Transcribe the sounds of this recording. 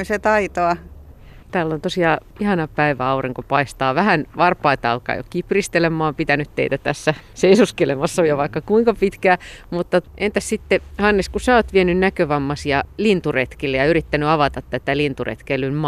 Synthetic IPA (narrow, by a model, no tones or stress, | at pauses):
set̪ɑit̪oɑ | t̪æːlːont̪osiɑ | ihɑnɑpæiʋæɑuriŋkopɑist̪ɑːʋæhænʋɑrpɑit̪ɑlkɑ̰jo̰kiprist̪elemːˑɑːmpit̪ænyt̪t̪ḛit̪æt̪æsːæseisuskelemɑsːojoʋɑikːɑkuiŋkɑpit̪kæːmut̪ːɑent̪æssit̪ːehɑnːeskusæoːt̪ʋienynnækøʋɑmːɑsjɑlint̪uret̪kilːejɑyɾit̪ːænyɑʋɑt̪ɑt̪t̪æt̪ælint̪urḛt̪kelːymm